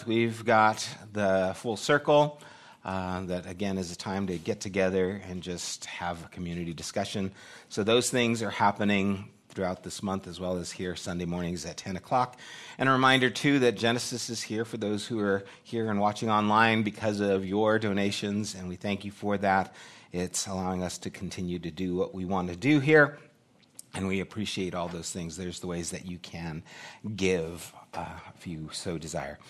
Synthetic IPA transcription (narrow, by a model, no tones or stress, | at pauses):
wivɡɑt̪̚ðɨfʊlˠsɜ˞kl̩ˠ | ðɨɾɨɡɛ̃nɨzɨtʰãɪ̃mtɨɡɛtʰɨɡɛðə˞ɨ̃nd͡ʒʌst̚həvəkʰm̩jʉnɨɾidɨskʌʃɨ̃n | soʊðoʊz̥θɪ̃ŋzə˞hæpɨnɪ̃ŋθɹʉaʊt̪̚ðɪsmʌ̃nθɨzwɛlˠəz̥hiɹsʌ̃ndeɪmɔɹnɪ̃ŋzɨtʰɛ̃nɨkʰl̥ɑkʔɨ̃ñɹɨmãɪ̃ndə˞tʰʉðɨt̚d̥ʒ̥ɛnɨsɨsɨz̥hiɹfə˞ðoʊz̥huə˞ | hiɹɨ̃nwɑt͡ʃɪ̃ŋɑ̃nlãɪ̃nbɨkʰʌzʌʌvjə˞doʊ̃neɪʃɨ̃nzɨ̃nwiθæ̃ŋkjɨfə˞ðæɾɪtsəlaʊɪ̃ŋʌstʰɨkʰn̩tʰɪ̃njʉɾɨdɨwʌʔwiwɑ̃ntʰɨdɨɦiɹ | ɨ̃nwiɨpʰɹ̥iʃieɪɾɔlˠðoʊz̥θɪ̃ŋzðə˞zðəweɪzðɨ̰t͡ʃɨkʰɨ̃nɡɪv̥ | fjʉsoʊdɨzaɪə̰˞